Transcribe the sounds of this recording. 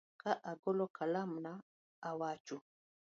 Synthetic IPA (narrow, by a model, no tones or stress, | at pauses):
kaʔaɡɔlokʰalamnaː | wat͡ʃu